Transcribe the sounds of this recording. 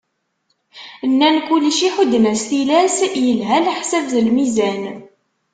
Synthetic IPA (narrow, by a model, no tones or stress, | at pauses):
ənːænkuliʃiħud̪ːnæsθilæsjəlɦælħsævðəlmizæn